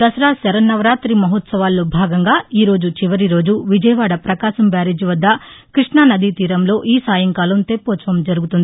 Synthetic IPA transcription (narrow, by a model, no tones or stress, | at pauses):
d̪ɐsɐɾaːsɐɾɐnːɐʋɐɾaːt̪ɾimɐɦɔːt̪sɐʋaːlːo̞ːbʱaːɡɐŋɡaːiːɾo̞ːd͡ʒut͡ʃiʋɐɾiɾo̞ːd͡ʒuʋid͡ʒɐjɐʋaːɽɐpɾɐkaːʃɐmbaːɾeːd͡ʒiʋɐd̪ːɐkɾiʂɳanɐd̪it̪iːɾɐmlo̞ːʔiːsaːjɐŋkaːlɐmt̪epːoːsɐʋɐmd͡ʒɐɾuɡut̪und̪i